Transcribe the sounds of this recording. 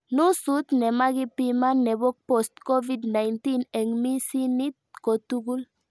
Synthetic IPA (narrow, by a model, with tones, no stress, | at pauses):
nu˦su˦t̪nɛ˨ma˦ɡi˦pi˦ma˦nɛ˨bɔ˦k̚pɔ˨stkɔ˦vidna˨jnti˦nɛ˨ŋmi˦si˦ni˦t̪̚ko˨tu˦ɡu˦l